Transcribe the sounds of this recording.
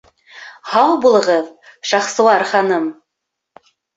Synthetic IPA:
hɑwbulˠɤ̆ʁɤðʃɑχsɤ̆wˠɑɾχɑnɤm

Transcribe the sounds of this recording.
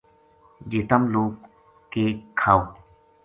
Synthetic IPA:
d͡ʒet̪əmloːk | kːeːkʰaːoː

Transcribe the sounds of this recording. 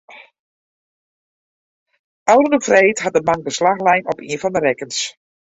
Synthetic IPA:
ɑwdənəfrɛjtɦɑt̚dəmaŋdəslaxlɛjnɔpḭənvɑndərɛkəns

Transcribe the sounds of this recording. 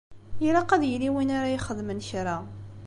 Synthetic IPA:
jilaqæðjəliwinaɾajiχəðmənçɾa

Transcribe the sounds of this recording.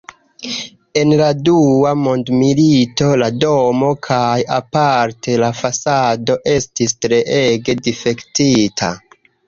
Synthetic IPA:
e̞nladuamo̞ndmilito̞lado̞mo̞kʰajapaɾtʰe̞lafasado̞ʔe̞stistɾe̞ʔeɡe̞dife̞ktitʰa̰

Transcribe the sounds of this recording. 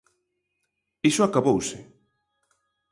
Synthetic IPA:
isʊakaβowsɪ

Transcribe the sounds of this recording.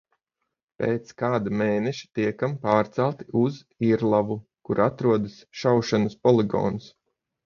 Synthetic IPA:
peːt̪skaːd̪ameːnɛʃi̥t̪iɛkampaːɾt̪sælˠt̪iuz | iɾlˠavu | kuɾat̪ɾuɔd̪asʃawʃanɐspɔlˠiɡɔ̰ːns

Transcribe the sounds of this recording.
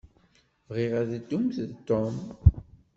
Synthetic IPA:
vʁiʁæðd̪ːumθt̪ːɔm

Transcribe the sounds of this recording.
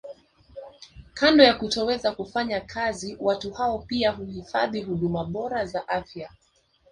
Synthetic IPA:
kandɔjakutɔwɛzakufaɲakʰaziwatuhaɔpiaɦuhifa̰ðiɦuɗumaɓɔɾazaʔafja

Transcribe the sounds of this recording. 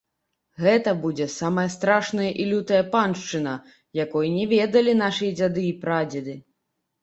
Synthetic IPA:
ɣɛt̪ɐbud͡zʲɛsamɐjɐst̪ɾaʂnɐjɐʔilʲut̪ɐjɐpanʂt͡ʂɨnɐ | jakɔjinʲɛvʲɛd̪ɐlʲin̪aʂɨjɐd͡zʲad̪ɨipɾad͡zʲɛd̪ɨ

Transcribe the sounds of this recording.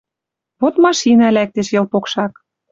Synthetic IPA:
βot̪mɑʃinɑlæk̚t̪eʃjɤ̆lpokʃɑk

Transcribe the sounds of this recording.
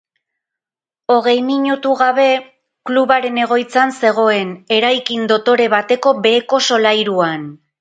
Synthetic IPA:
o̞ɣ̞e̞jmiɲut̪uɣaβ̞e̞ | kluβaɾe̞ne̞ɣ̞o̞jt͡sanse̞ɣ̞o̞e̞ne̞ɾajkind̪o̞t̪o̞ɾe̞βat̪e̞ko̞be̞ːko̞so̞lajɾuan

